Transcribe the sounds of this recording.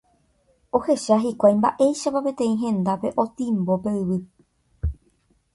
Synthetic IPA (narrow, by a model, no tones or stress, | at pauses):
o̞he̞ʃaɦikʷajmba̰ʔe̞jʃapape̞t̪ẽ̞ĩɦẽ̞nd̪ape̞ʔo̞t̪ĩmbo̞pe̞ɨβɨ